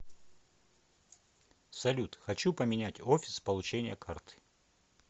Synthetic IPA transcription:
sɐlʲut̪xɐt͡ɕupəmʲɪnʲætʲofʲɪ̥spəlˠʊt͡ɕenʲɪjəkʰart̪ɨ̥

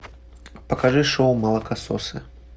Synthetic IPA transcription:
pɐkaʐɨʂɔwmɐlˠɐkasɔ̰sɨ̰

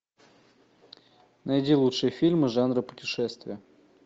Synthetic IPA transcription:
nɐdʲilˠutʂɨjəfʲilʲmɨʐanrɨpʊ̥tʲɪʂɛst̪vʲɪjə

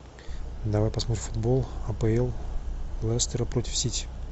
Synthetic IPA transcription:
d̪ɐvajpɐsmot̪ɾʲɪmfʊd̪bolˠɐpəɛlˠlˠɛst̪əɾəpɾotʲɪ̥fsʲitʲɪ

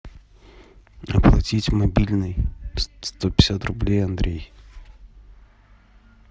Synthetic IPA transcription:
ɐplˠɐtʲitʲmɐbʲilʲnɨjst̪opʲɪ̥sʲat̪rʊblʲejɐnd̪ɾʲej

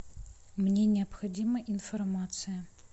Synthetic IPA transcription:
mnʲɛnʲɪɐpxɐd͡zʲimɐʔinfɐrmat̪sɨjɐ

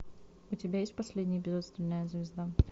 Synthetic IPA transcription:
ʊtʲɪbʲajesʲt̚ʲpɐsʲlʲedʲnʲɪjəbʲɪzut̪st̪vʲɪnːəjəzvʲɪzd̪a

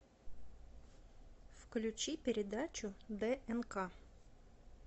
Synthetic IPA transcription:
fklʲʉt͡ɕipʲɪɾʲɪd̪at͡ɕʊd̪ɛʔɛnka

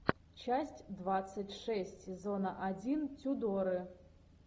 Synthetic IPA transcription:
t͡ʃasʲtʲd̪vat̪sːɨtʲʂɛsʲtʲsʲɪzonɐʔad͡zʲintʲud̪ɔɾɨ

